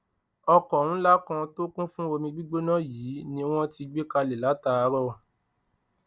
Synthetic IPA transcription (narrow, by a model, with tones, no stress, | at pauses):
ɔ˧kɔ˨ũ˦la˦kã˧to˦kũ˦fũ˦o˧mĩ˧ɡ͡bi˦ɡ͡bo˦nã˦jiː˨˦nĩ˧w̃ɔ̃˦ti˧ɡ͡be˦ka˧le˨la˨˦ta˧˦a˧˦ɾɔ˦˨